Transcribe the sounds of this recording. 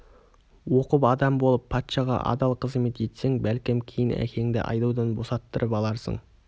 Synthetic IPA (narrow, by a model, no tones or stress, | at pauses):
wo̞qəpɑd̪ɑmbo̞lˠəpʰːɑt̪ʃɑʁɑ̰ʔɑ̰d̪ɑlˠqʰəzme̞t̪ʒe̞t̪se̞ŋbælkʲɪmkʲʰejɪnæ̰kʲʰe̞ŋd̪ḛʔɑ̰jd̪ɑwd̪ɑnbo̞sɑt̪ːəɾʔəpɑlˠɑɾsə̰ɴ